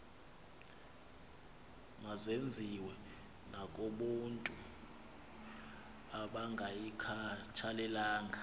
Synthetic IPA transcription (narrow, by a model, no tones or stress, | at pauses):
ŋazend͡zʱiwɛ | nakʼoɓuntʼu | aɓaŋɡʱajikʰat͡ʃʰalɛlaːŋʱa